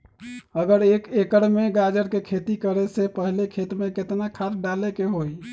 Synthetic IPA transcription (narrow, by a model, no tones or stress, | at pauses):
əɡəɾekekəɾmeɡad͡ʒəɾkekʰet̪ikəɾɛsepəɦilekʰet̪meket̪nakʰasɖalekeɦoj